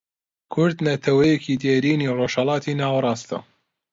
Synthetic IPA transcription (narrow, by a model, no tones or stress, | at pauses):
kʰʊɾd̪nɐt̪ʰɐwɐjekʰiːd̪eːɾiːniroʃhɐlɑːt̪ʰinaːwɐɾˤɑːst̪ɐ̰